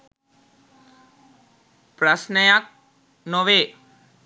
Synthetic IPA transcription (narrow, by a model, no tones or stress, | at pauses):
pɾasnəjak̚ | nɔʋe